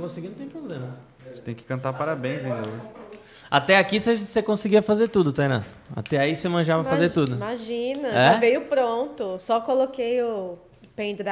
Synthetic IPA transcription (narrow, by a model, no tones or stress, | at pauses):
kõsɪɡĩd̪ʊ̃t̪ẽpɾoblẽmɐ | st̪ẽj̃kɪ̥kɐ̃nt̪aɾpaɾabẽj̃sẽj̃d̪ẽ | at̪ɛakisɪaʒẽt̪sekõsɪɡiɐfazeɾt̪ud̪ʊt̪ajnɐ̰̃ | a̰t̪ɛaisemɐ̃ʒavɐazeɾt̪ud̪ʊmaʒĩnɐɛvejʊpɾõnt̪ʊsɔkolokejʊ | pẽj̃d̪ɾ